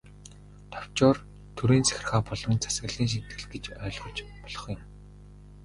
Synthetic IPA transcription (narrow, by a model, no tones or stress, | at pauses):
t̪ʰɔw̥t͡ɕʊːr | t̪ʰuɾeːnt͡sæ̥x̆ʲrχaːpɔɮɞ̆nt͡sʰḁsɡə̆ɮiːŋʃ̬in̥t̪ɡɘ̆ɮɡet͡ɕœːɮʁɞ̆t͡ɕpɔɮɞ̥̆χjʊ̆m